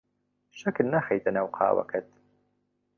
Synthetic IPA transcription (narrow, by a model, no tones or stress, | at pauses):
ʃɐknɐxɐjt̪ʰɐnaːwqʰɑ̰ːwɐ̰kʰɐt̪̚